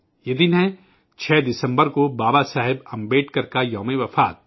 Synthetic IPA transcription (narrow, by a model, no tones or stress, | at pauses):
jed̪ɪnɦɛ̃ | t͡ʃʰɛːd̪ɪsə̃mbəɾkobaːbasaːɦɪbɐ̃mbeːʈkɐɾkajɔːmeʋɐfaːt̪̚